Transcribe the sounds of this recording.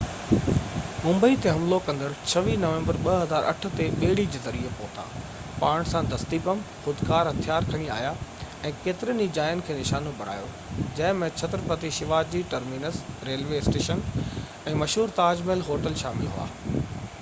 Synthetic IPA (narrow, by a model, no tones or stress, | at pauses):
mʊ̃mbəit̪eɦɐmlokɐ̃nd̪əɾt͡ɕʰɐʋinɐʋẽmbəɾɓɐɦɐzaːɾʔɐ̰ʈʰʊ̆t̪eɓeːɪɽid͡ʑeːzɐɾiepoːt̪a̰ː | paːɽ̃sãd̪ʱɐst̪ipɐmxʊd̪kaːɾɦɐt̪ʰijaːɾkʰɐɽ̃ia̰ːjaɛ̃ːkeːt̪ɪɾənd͡ʑid͡ʑaːjənɪkʰeːnɪʃaːnobʱɐɽ̤a̰ːjo̰ | d͡ʑɐ̃ɦɪ̃mẽt͡ɕʰɐt̪ɾpɐt̪iʃɪʋaːd͡ʑd͡ʑiʈɐɾmiːnəsɾeːlʋeɪsʈeːʃən | ɛ̃ːmɐʃɦuːɾt̪aːd͡ʑmelɦoːʈəlʃaːmɪlɦṵa̰ː